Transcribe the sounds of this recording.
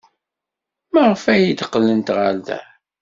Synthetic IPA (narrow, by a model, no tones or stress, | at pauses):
mæʁəfæjid̪qːlːənt̪ʁald̪æ̰